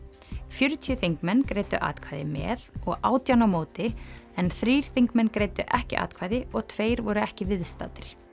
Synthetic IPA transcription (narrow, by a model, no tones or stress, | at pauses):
fjʏɾʏt̪ʰijʏθiŋkmɛnːkɾeːjt̪ʏ̰ʔa̰ːt̪kʰvajðɪmɛ̰ːðɔɣaːwt̪jawnamoːwt̪ɪɛnθɾiːɾ̥θiŋkmɛnːkɾeːjt̪ʏʔɛhcɪ̰ʔa̰ːt̪kʰvaːjðɪɔɣt̪ʰveːjɾvɔɾʏɛhcɪvɪðst̪a̰ːt̪ɪɾ̥